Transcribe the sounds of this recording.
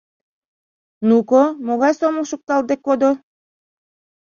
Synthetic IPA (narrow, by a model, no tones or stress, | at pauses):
nukomoɣɑjsomoʃuk̚t̪ɑld̪ekːod̪o